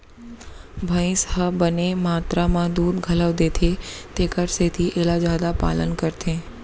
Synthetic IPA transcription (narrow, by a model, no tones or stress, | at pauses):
bʱə̃ɪ̃shəbənemaːt̪ɾamãd̪uːd̪ɡʱɐləʋd̪eːt̪ʰet̪eːkəɾset̪ʰiʔeːlazjaːd̪apa̰ːlənkəɾt̪ʰẽː